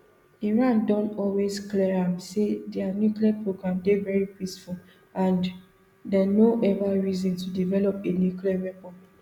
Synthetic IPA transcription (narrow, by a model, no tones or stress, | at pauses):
iɹãndɔ̃ntɔlwesklɛɹãmsedɛanjukliapɹoɡɹãmdevɛɹipisful | ãn | dɛnoʔɛvaɹizɔ̃ntudivɛlɔpenjukliaɹɛkɔd